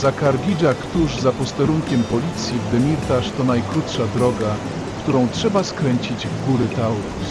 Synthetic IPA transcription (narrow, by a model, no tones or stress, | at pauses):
zakaɾɡʲid͡ʑakt̪uʐzapɔst̪ɛɾuŋkʲɛmpɔlʲit̪sʲjivd̪ɛmʲiɾt̪aʂt̪ɔnajkɾut̪ʂad̪ɾɔɡa | kt̪uɾɔ̃w̃tʂɛbaskɾɛɲt͡ɕid͡ʑvɡuɾɘt̪awu